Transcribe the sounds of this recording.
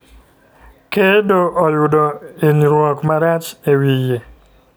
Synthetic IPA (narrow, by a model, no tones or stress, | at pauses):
kedoʔɔjʊdɔeniɾwɔkmaɾat͡ʃewije